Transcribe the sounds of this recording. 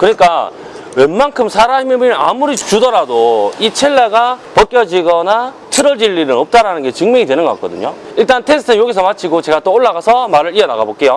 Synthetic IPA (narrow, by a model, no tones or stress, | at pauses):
kɯɲik͈a | we̞nmankʰɯmsʰaɾamebɯa̰muɾit͡ɕudʌɾadoit͡ɕʰe̞ɭːaɡapʌk͈jʌd͡ʑiɡʌna | tʰɯɾʌd͡ʑiʎːinɯnʌp̚t͈aɾanɯnɡe̞t͡ɕɯŋmeŋidwe̞nɯnɡʌk͈a̰k͈ʌ̰dɯ̰ɲoiɭt͈antʰesʰɯɯnjoɡisʰʌmat͡ɕʰiɡot͡ɕe̞ɡat͈ooɭːaɣasʰʌmaɾɯɭiʌna̰ɡabok͈e̞jo